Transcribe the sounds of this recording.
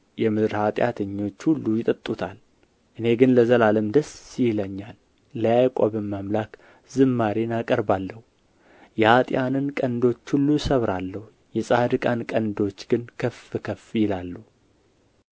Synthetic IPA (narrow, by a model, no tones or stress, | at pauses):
jɛmɨd̪ɾhat̪ʼja̰t̪ʰəɲːo̞t͡ʃːhulːujɪt̪ʼɨt̪ʼːut̪ʰal | ʔɨne̞ɡɨnləzəlaləmd̪əsːijləɲːalː | əjajkʷʼobəmːamlak | zɨmːaɾenakʼəɾbalːəhu | jɛhat̪ʼjanɨnkʼənd̪o̞t͡ʃːhulːusəβɾalːəhu | jɛsʼad̪ɨkʼankʼənd̪o̞t͡ʃːɡɨnkʰəfɨkʰəfjɪlalːuh